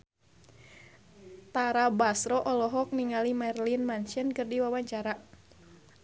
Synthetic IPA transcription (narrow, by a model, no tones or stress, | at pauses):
t̪aɾabasɾɔʔɔlɔɦɔk̚niŋalimɛrlinmant͡ʃənkɨrdiwawaɲt͡ʃaɾa